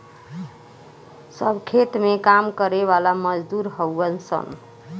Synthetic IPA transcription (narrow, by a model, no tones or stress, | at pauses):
səbʱkʰet̪mekamkəɾeβalaməd͡ʒd̪uɾɦəwːənsə̰n